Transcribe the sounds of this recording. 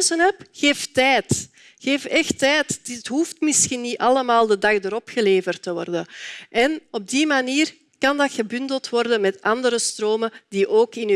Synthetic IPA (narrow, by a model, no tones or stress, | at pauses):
sənɛpɣeːftɛːt | xeːfɛxtɛːttɦuːftmɪsxinːiɑləmaːlˠdədɑɣdəɾɔpxəleːvərtəʋɔ̰rdəʔɛnɔb̚dimaniːr | kɑndɑtxəbʏndəlˠtʋɔrdənmɛtɑndəɾəstroːmədiʔoːkɪn